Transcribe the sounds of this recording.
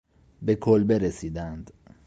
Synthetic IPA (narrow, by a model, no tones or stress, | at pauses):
be̞kʰolbeɾesiːd̪ænd̪̥